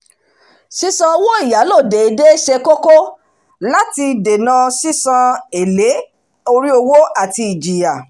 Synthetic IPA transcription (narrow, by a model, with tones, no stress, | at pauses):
si˦sã˧o˧wo˦i˦˨ja˨˦lo˦˨de˨i˨˦de˦ʃe˧ko˦ko˦ | la˦ti˧de˨nã˧si˦sã˧e˨le˨˦ | o˧ɾi˦o˧wo˦a˦˨ti˧i˨d͡ʒi˨ja˨